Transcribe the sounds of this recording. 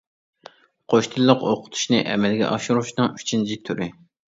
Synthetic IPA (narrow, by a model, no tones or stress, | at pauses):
qʰoʃt̪ʰɨlˠːəqoqʰʊ̥t̪ʰu̥ʃnɨʔɛ̰mɛlɡʲɛ̰ʔɑʃuɾuʃnɨŋy̥t͡ʃʰynt͡ʃʰit̪ʰyɾɪ